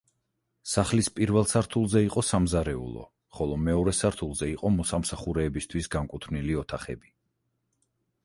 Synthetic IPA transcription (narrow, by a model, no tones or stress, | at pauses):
saχlispʼiɾvɛlˠsaɾt̪ʰulˠzɛiqʼɔsamzaɾɛṵlˠɔ̰ | χɔlˠɔmɛɔɾɛsaɾt̪ʰulˠzɛiqʼɔmɔsamsaχuɾɛːbist̪ʰwisɡaŋkʼut̪ʰvniliɔt̪ʰaχɛ̰bi